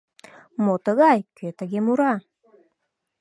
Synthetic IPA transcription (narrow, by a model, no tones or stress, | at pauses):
mot̪əɣɑjkøt̪əɣemuɾɑ